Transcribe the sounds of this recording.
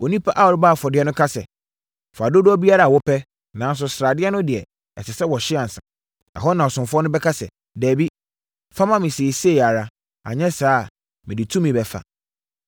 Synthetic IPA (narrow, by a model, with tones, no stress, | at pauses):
o˨nĩ˦pʰa˦ʔa˦wɔ˨ɾɪ˦baː˦˨fɔ˨dɪ˦ɛ˦nʊ̃˦kʰa˦sɛ̰˨ | fa˨do˦dʊ˦ɔ˦bi˦a˦ɾa˨wɔ˦pʰɛ˦ | nã˨˦n˦s̬ʊ˦sɾa˨dɪ˦ɛ˦nʊ̃˦dɪ˨ɛ˨ | ɛ˨sɪ˨sɛ˦wɔ˨ɕɪ˦a˨n̩˨sã̰˨ | a̰˨ɦɔ˦nã˨ɔ˨sʊ̃˨mfʊ˦ɔ˦nʊ̃˦bɛ˦kʰa˦sɛ̰˨ | dɛː˨bi˦ | fã˦mã˦mɪ̃˨se˨se˦˨a˨ɾa˦ | a̰˨ɲɛ̃˦saː˦˨ | mɪ̃˨dɪ˨tʰũ˦mĩ˨bɛ˨fa̰˨